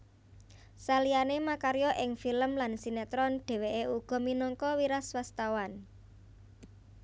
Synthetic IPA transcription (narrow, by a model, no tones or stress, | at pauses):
salijanemakaɾjɔʔɪŋfiləmlansinat̪ɾɔnɖ̥e̤weʔeuɡ̥ɔ̤minɔŋkɔwiɾaswast̪awan